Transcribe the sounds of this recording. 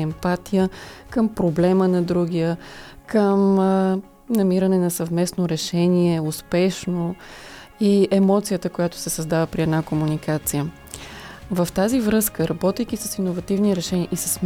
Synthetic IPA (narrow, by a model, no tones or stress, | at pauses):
ɛmpat̪ijəkəmpɾoblɛmənɐd̪ɾuɡ̟ijəkəm | nɐmiɾɐnɛnɐsəvmɛsnoɾɛʃɛniɛʊspɛʃno | iɛmɔt̪sijət̪əkojat̪o̥sɛsəzd̪avəpɾiɛd̪nakomunikat̪sijə | vəft̪azivɾɤskəɾɐbɔt̪ɛjk̟isəsinovɐt̪ivniɾɛʃɛniəʔisə̥sm